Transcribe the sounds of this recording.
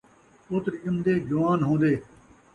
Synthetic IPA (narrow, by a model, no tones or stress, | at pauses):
oːt̪ɾjəmd̪eːd͡ʒʊʋaːnɦõːd̪eː